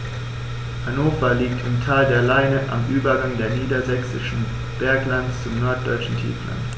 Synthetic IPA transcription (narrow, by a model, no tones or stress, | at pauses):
hanoːfaliːk̚tʰɪmtʰaːldeːɐlaɪnəʔa̰mʔyːbɐɡaŋdeːɐniːdɐzɛksɪ̰ʃn̩ | b̥ɛɐklantt͡sʊmnɔɐt̚d̥ɔʏt͡ʃn̩tʰḭːfla̰nt